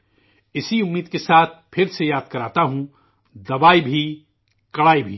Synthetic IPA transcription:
ɪsiʊmːiːd̪kesaːt̪̚ʰpʰɪɾsejaːd̪̚kɐɾaːt̪aɦũ | d̪ɐbaːibʱi | kɐɽaːibʱḭː

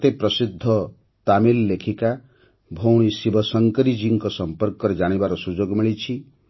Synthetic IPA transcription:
t̪epɾɔsid̪ʱːɔ | t̪amilːekʰika | bʱowɽ̃isibɔsɔŋkɔɾid͡ʒiŋkɔsɔmpɔɾkɔɾed͡ʒaɽ̃ibaɾɔsud͡ʒoɡmiɭit͡ʃʰi

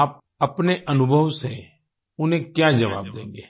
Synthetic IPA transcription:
aːp̚ | ɐpneʔɐnʊbʱəʋse | ʊn̤ẽkjaːd͡ʒɐʋa̰ːb̚d̪ḛ̃ːŋɡeː

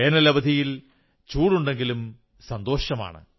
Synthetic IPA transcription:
eːnɐlɐbɐd̪ʱijil | t͡ɕuːɽuɳɖe̞ŋɡilum | sɐnd̪o̞ːɕɐma̰ːɳɨ̰

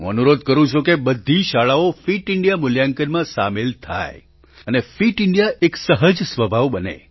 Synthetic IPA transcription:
ɦṵ̃ənuɾod̪̚ʱkəɾũt͡ʃʰukebəd̪ʱːiʃaɭaofiʈɪɳɖijamʊljaŋkənmãsamelt̪ʰa̰j | ənefiʈɪɳɖijaʔeksəɦəd͡ʒsʋəbʱaʋbənḛ

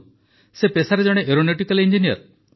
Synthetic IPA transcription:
sepesaɾed͡ʒɔɽ̃eʔeɾoneʈikalind͡ʒinijɔ̰ɾ

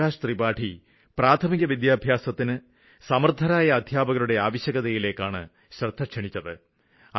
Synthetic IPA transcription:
aːʂɐt̪ribaːʈʰi | praːt̪ʰɐmiɣɐʋid̪jaːbʱjaːsɐt̪ːinɨ | sɐmɐrd̪ʱɐnaːjɐːd̪ʱjaːbɐɣɐluɽe̞aːʋɐɕjɐɣɐðɐjile̞ːkːaːɳɨ̰ | ɕrɐd̪ʰʱɐkʂɐɳit͡ɕːɐðɨ | ɐ

